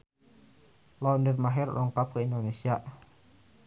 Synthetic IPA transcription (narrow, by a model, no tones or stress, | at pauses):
lɔndərmaɦɪrrʔɔŋkap̚kəindonesiaʔ